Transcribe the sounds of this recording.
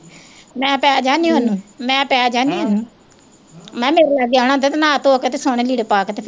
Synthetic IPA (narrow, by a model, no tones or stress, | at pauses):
mɛ̃ːpɛːd͡ʒaːnĩːɦʊnmɛ̃ːpɛːd͡ʒaːniːʊn | mɛ̃ːmeːɾeaːɡaːɽ̃ãːd̪eːt̪enãːt̪oːket̪eːsoːɽ̃eːliːɽepaːket̪eː